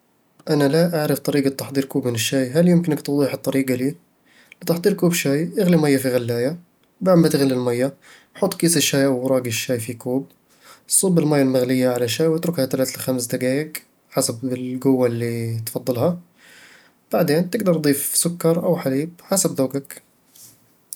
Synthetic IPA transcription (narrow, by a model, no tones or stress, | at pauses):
ʔanalaʔaʕɾɪft̪ˤɑɾiːɡat̪ːɑħd̪ˤiːɾkuːbmɪnɪʃːaːjɦaljɪmkɪnɪkt̪ʊd̪ˤiːħɨt̪ˤːɑɾiːɡaliː | lt̪ɑħd̪ˤiːɾkuːbʃaːjʔɪɣlimajːafiɣalːaːja | baʕmat̪ɪɣalːilmajːa | ħʊt̪ˤːkiːsɪʃːaːjʔawːɾˤɑːɡiʃːaːjfikuːb̚ | sˤuːbɪlmajːalmɪɣlɪjːaʕalaʃaːjwɪt̪ɾʊkhat̪alaːt̪alxamsd̪aɡaːjɪɡ | ħasabɪlɡʊwːalːit̪fɑd̪ˤːɨlha | b̥aʕd̪eːnt̪ɪɡd̪ɑɾˤd̪ˤiːfsʊkːɑɾˤʔawħaliːb̚ħasabðoːɡak